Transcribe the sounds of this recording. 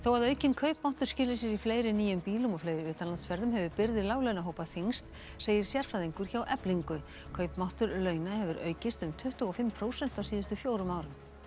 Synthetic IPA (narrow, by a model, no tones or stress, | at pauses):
θowaðœːɥcɪnkʰœɥpmawht̪ʏɾ̥scɪːlɪsɪsifleːjɾɪniːjʏmpiːlʏmɔfleːjɾɪʏːt̪anlant̪sfɛɾðʏmɦɛvʏpɪɾðɪlaːwvlœɥnaɦoːwpaθiŋst̪ | seːjɪɾ̥sjɛɾ̥fɾaðiŋkʏɾ̥çawʔɛpliŋkʏ | kʰœɥpmawht̪ʏɾlœːɥnahɛvʏɾœ̰ːɥcɪst̪ʏmt̪ʰʏht̪ʏɔfɪmpʰɾoːwsɛn̥t̪awsiːðʏst̪ʏfjoːwɾʏmaːwɾʏm